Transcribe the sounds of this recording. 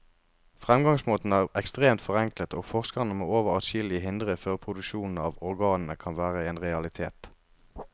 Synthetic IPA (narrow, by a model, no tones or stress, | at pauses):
fʁɛmɡɑŋsmoːt̪n̩əæːʁɛkst̪ʁeːmt̪fɔʁɛŋklət̪oːfɔʁskɑʁnəmo̰ːoːʋəʁɑʃɪlɪəɦɪnd̪ʁəføːʁpʰʁʊd̪ʉʃuːnn̩ɑːʋɔʁɡɑːnn̩əkʰɑnʋæːʁəeːnʁɛɑlɪt̪ʰeːt̪